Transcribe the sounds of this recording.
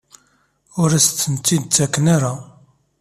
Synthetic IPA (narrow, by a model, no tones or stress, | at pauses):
ʊɾæst̪ːənt̪ːid̪̚t͡sːækːnaɾa